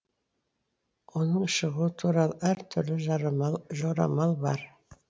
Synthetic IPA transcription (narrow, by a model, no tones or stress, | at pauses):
wonəɴʃəʁuət̪ʰuɾɑlˠæɾt̪ʰʏɾlɪʒʒoɾɑ̰mɑlˠbɑ̰ɾ